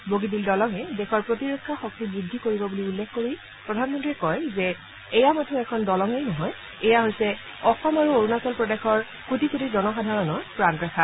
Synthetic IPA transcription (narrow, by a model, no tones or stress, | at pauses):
boɡidildɔlɔŋɛdɛxɔɹpɹotiɹekʰːaxɔk̚tibɹidʱːikoɹibɔbuliulːekʰkoɹi | pɹɔdʱanmɔntɹiɛkɔjzɛː | jamatʰɔɛkʰɔndɔlɔŋejnɔɦɔj | ɛjaɦojsɛ | ɔxɔmaɹuoɹunasɔlpɹɔdexɔɹ | kutikutizɔnɔxadʱaɹɔnɔɹpɹanɹɛxʰa